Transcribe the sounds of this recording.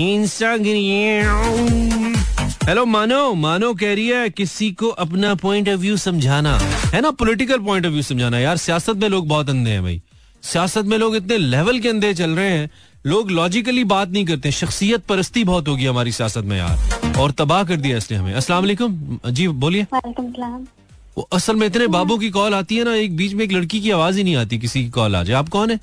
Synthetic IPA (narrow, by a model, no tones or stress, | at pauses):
ĩːnsãɡɾiẽ | ɦɛloːmaːnoːmaːnoːk̬ɛɦɾiɛkɪsikoʔɐpnapɔ̃ːɪ̃ɳʈɔʋjuːsɐ̃md͡ʒʱaːna̰ɦɛːnapʊlɪʈɪk̬əlp̬ɔ̃ːɪ̃ɳʈɔʋjuːsɐ̃md͡ʒʱaːnajaːɾsijaːsət̪̚mẽloːɡ̚bɔːt̪̬ɐ̃nd̪eɦɛ̰̃bʱɐ̰ḭː | sijaːsət̪̬mẽloːɡɪt̪nelɛːʋəlk̬eɐ̃nd̪ʱet͡ʃɐlɾɐɦẽɦɛ̃ː | loːɡlɔːd͡ʒɪkəlibaːt̪̚nɐɦĩk̬ɐɾt̪eɦɛ̃ʃɐxsijət̪̚pɐɾəst̪ibɔːt̪ɦoːɡiɦɐmaːɾisijaːsət̪̚mḛ̃ja̰ːɾɔːɾt̪ɐbaːɦk̬ɐɾd̪ijaɪsleɦɐmḛ̃ɐsəlaːmɐleːkʊmd͡ʒiːboːlieːalekmslaːm | o̰ʔɐsəlmẽɪt̪̬nebaːbõk̬ikɔːlaːt̪iɦɛnaeːk̚biːt͡ʃmẽeːk̬lɐɽkikiaːʋaːzinɐɦĩaːt̪ik̬ɪsikikɔːla̰ːd͡ʒaɛaːp̚kɔːnɦɛː